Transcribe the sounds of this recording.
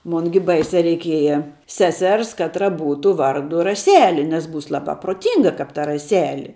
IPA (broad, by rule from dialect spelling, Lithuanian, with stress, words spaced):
ˈmoːn ɡʲɪ ˈbɐɪsʲɛ rʲɛɪˈkʲiɛjɛ ˈsʲæːsʲɛrs ˈkɑːtrɐ ˈbuːtʊ ˈʋɐrdʊ rɐˈsʲæːlʲɪ nʲɛs ˈbuːs ˈlˠɑːbɑː pruɔˈtʲiːŋɡɐ kɐp tɐ rɐˈsʲæːlʲɪ